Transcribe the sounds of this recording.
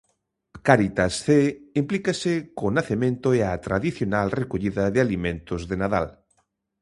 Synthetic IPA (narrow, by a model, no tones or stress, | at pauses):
kaɾit̪asθeimplikasekonaθemẽnt̪oeat̪ɾaðiθjonalrekoʎiðɐðealimẽnt̪ozðenaða̰l